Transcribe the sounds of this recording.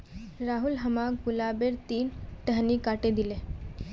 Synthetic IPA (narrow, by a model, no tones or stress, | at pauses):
ɾaːɦulɦəmaɡulabeɾt̪iːnʈəɦnikaːʈed̪ile